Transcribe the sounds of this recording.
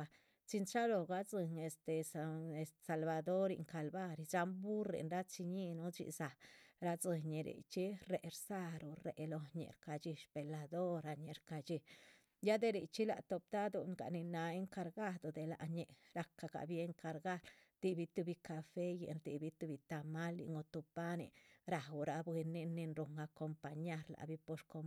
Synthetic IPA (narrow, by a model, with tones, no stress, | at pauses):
a˧ | t͡si˧nt͡ʃa˦lo˧ɡa˧d͡zɨ˧ŋe˨st̪e˨se˨st̪sa˨lba˨d̪o˦ɾḭ˧ŋka˧lba˦ɾi˧d͡ʒa˧mbu˦ɾḛ˨nɾa˦t͡si˧ɲi˦nu˦t͡ʃḭ˧sa˨ɾa˧t͡sɨ˧ɲe˨ɾḭ˨t͡ʃi˦ɾe˨ɾsa˧ɾo˨ɾe˨lo˧ɲḛ˧˨ɾka˧t͡ʃi˧ʃpe˨la˧d̪o˦ɾa˧ɲe˨ɾka˧t͡ʃi˧ | ja˦d̪e˧ɾḭ˨t͡ʃi˦la̰˨t̪o˧p̚d̪a˦d̪u˧ŋɡa̰˨ni˧na˨e˦ŋka˧ɾɡa˦d̪o˨d̪e˨la̰˨ʔɲe˨ɾa˧kːa˧ka̰˨bi˦e˦ŋka˧ɾɡa˦ld̪̥i˧bi˧˦t̪u˧bi˧ka˧fe˦jḛ˨nɾd̪i˧bi˧t̪u˧bi˧t̪a˧ma˦lḭ˧ŋɡo˧t̪u˧pa˦nḭ˨ɾa˨u˨ɾa˧bwe˧ni˧nːi˧nɾu˧ŋɡa˧ko˧mpa˧ɲa˦ɾla̰˧˨bi˦po˧ʃko˧m